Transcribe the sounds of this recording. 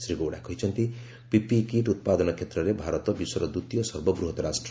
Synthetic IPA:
sɾiɡoɽakʰʌjt͡sʰʌnt̪i | pipikiʈut̪̚pad̪ʌnʌkʰet̪rʌlebʱaɾʌt̪ʌbisʌɾʌd̪ut̪jʌsʌrbʌbɾuɦʌt̪ɾasʈr

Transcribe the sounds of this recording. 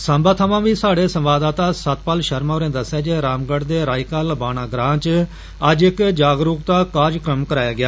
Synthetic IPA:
sãːmbaːt̪ʰəʋãːʋiːsaːɽeːsə̃mʋaːd̪aːt̪aːsət̪pəlʃəɾmaoːɾẽːd̪əsːaːd͡ʒeːɾaːmɡəɽd̪eːɾaːɪkaːləbaːnãːɡɾãːt͡ʃ | əd͡ʒɪkd͡ʒaːɡɾuːkt̪aːkaːd͡ʒkɾəmkəɾaːjaːɡɪjaː

